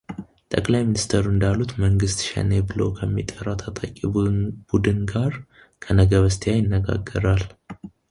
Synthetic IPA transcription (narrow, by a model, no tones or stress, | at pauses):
t̪ʼəkʼlajminist̪ʰəɾuɨnd̪alːut̪məŋɡɨst̪ʃɛ̰nebɨlo̰kʰəmːḭt̪ʼəɾːawt̪ʰat̪ʼakʼibud̪ɨnɡaɾ | kʰənəɡəβəst̪ʰjajɪnːəɡa̰ɡːəɾal